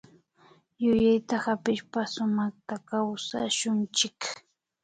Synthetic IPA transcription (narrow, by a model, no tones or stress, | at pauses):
jʊjajt̪ahapɪʃpasʊmɑχt̪akawsa̰ʃʊnt͡ʃɪk